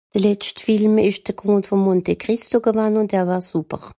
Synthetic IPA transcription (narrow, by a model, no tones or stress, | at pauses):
d̥əlɛt͡stfilmɪʃd̥əkʰoːntfɔmːɔntekʁɪstoɡəvanʊntɛːɐvaːsupəʁ